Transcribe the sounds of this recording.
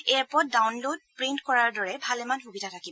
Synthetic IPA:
ɛɹpɔdawnlod̚pɹintkɔɹaɹdɔɹɛbʱalɛmanɦubidʱatʰakibɔ

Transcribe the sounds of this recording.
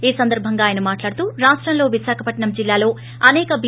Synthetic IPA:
eːsɐnd̪ɐɾbʱɐŋɡaːjɐnɐmaːʈlaːɽut̪uːɾaːʂʈɾɐmlo̞ːʋiʃaːkʰɐpɐʈɳɐmd͡ʒilːaːlo̞ː | ɐnɛːkɐbi

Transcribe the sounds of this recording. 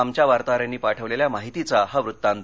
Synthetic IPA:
amt͡ɕjaʋaɾt̪aɾjanːiːpaʈʰəʋleljamaɦit̪it͡saɦaʋɾut̪ːãn

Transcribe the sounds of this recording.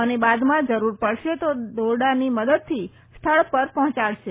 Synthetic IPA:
ənebad̪mãd͡ʒəɾuɾpəɽʃet̪od̪ʱoɽaniməd̪əd̪̚t̪ʰi | st̪ʰəɭpəɾpɔɦɔ̃t͡ʃaɭʃe

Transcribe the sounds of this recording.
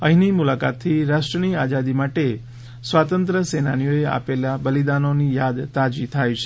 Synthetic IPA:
əɦinimulaka̰t̪ʰːiɾaʃʈɾəniad͡ʒad̪imaʈe | sʋat̪ənt̪ɾəsenanijoea̰pelabəlid̪anonijad̪t̪ad͡ʒit̪ʰajt͡ʃʰe

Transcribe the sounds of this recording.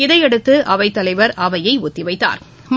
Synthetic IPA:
ɪðɐɪɛɽɯt̪ːɯʔɐʋɐɪt̪ːɐlɐɪʋɐɾɐʋɐjɐɪʊt̪ːɪʋɐɪt̪ːa̰ːɾ | m

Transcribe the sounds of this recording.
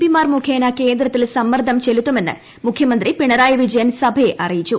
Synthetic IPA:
pimaːrmukʰeːnɐke̞ːnd̪ɾɐt̪ːilsɐmːɐrd̪ʱɐmt͡ɕe̞lut̪ːume̞nːɨ̰ | mukʰjɐmɐnd̪ripiɳɐɾaːjɐʋid͡ʑɐjɐnsɐbʱɐeʔɐrijit͡ɕːu

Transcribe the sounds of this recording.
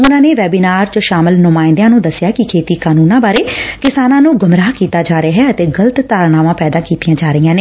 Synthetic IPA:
ʊnãːneːʋɛːbiːnaːɾt͡ʃəʃaːməlnʊmaːɪ̃nd̪jãːnũːd̪əsːjaːkɪkʰeːt̪iːkaːnuːnãːbaːɾeːkɪsaːnãːnũːɡʊmɾaːkiːt̪aːd͡ʒaːɾeɦɛːət̪eːɡələt̪t̪aːɾnaːʋãːpɛːd̪aːkiːt̪ijãːd͡ʒaːɾəijãːneː

